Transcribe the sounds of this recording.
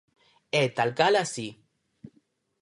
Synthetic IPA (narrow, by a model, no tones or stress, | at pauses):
et̪alkalasi